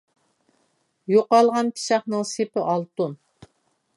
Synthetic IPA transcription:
joqɑlˠʁɑnpʰi̥ʃɑχnɨŋsepɪʔɑlˠt̪un

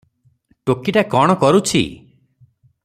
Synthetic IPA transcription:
ʈokiʈakɔɽ̃ɔkɔɾut͡ʃʰḭ

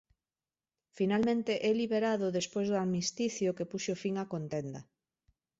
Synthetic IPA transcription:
finalmẽnt̪eʔɛliβeɾaðʊðespojzðʊamist̪iθjokepuʃofiŋakont̪end̪ɐ

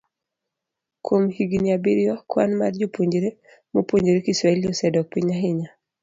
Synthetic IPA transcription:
kʰwomhiɡiniabiɾiwakwa̰nma̰rd͡ʒopoɲd͡ʒeɾe | mopoɲd͡ʒeɾekiswaɛljɔsɛdɔk̚piɲaɦɪɲa

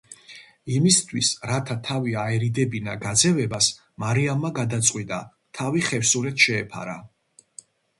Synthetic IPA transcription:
imist̪ʰwisɾat̪ʰat̪ʰaviaɛɾid̪ɛbinaɡad̪zɛvɛbas | maɾiamːaɡad̪at̪sʼqʼwit̪ʼa | t̪ʰaviχɛfsulɛt̪ʰʃɛːpʰa̰ɾa̰

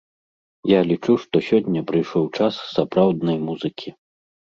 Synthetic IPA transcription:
jalʲit͡ʂuʂt̪ɔsʲɔnʲːɐpɾɨjʂɔwt͡ʂasːapɾawd̪nɐjmuzɨkʲʰi

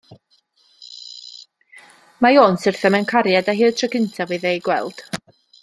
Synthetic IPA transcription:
majoːnsɪrθɛmɛnkʰaɾjadaɦiːətʰrəkɪntʰaviðejɡwɛlˠd̥

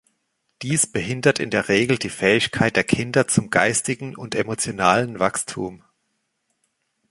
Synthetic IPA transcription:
d̥iːsb̥əɦɪndɐtɪ̰ndeːɐʁeːɡl̩diːfɛːɪçkʰaɪt̚d̥eːɐkʰɪndɐt͡sʊmɡaɪstɪɡŋ̩ʊntemot͡sjonaːlənvakstʰṵːm

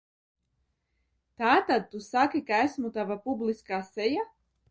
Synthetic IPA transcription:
t̪aːt̪ad̪̚t̪usakikaæsmut̪avapublˠiskaːsɛja

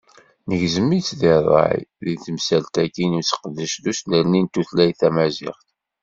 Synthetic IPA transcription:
nəʝzəmːit͡sːðɪðˤɑ̰ʕj̰ðiθəmsælt̪ækːinut͡sːə̥qəd̪ːəʃðusləɾnint̪uθlæjθæmæzɪ̰χt̪

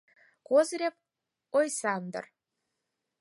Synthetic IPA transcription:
kozɾʲep̚ | ojsɑnd̪ə̰r

